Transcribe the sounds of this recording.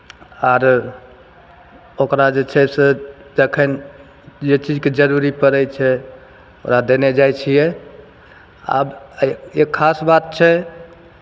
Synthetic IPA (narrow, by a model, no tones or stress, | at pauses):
aɾ | okɾad͡ʒet͡ʃʰɛsed͡ʒəkʰən | d͡ʒet͡ʃid͡ʒked͡ʒəɾuɾipəɾɛjt͡ʃʰɛ | oɾad̪ened͡ʒajt͡ʃʰijɛ | a̰bekʰːasbat̪̚t͡ʃʰɛ